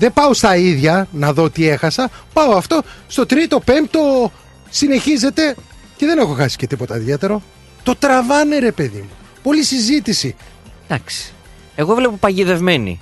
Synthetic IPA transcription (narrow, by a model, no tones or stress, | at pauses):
ðepɐost̪ɐiðʝɐnɐðo̞t̪iexɐsɐpɐoɐft̪o̞st̪ot̪ɾit̪o̞pemp̚t̪o | sine̞çize̞t̪e̞ | ce̞ðe̞nexo̞xɐsi̥ce̞t̪ipo̞t̪ɐiðet̪e̞ɾo̞ | t̪o̞t̪ɾɐvɐne̞ɾe̞pe̞ðḭmu | po̞lisizit̪isi | d̪̥ɐksi̥ | e̞ɣo̞vlepopɐʝiðe̞vme̞nḭ